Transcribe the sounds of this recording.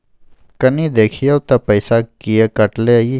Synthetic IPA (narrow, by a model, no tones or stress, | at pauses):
kɐnid̪eːkʰijɐwt̪ɐpɐjsakijekɐʈlei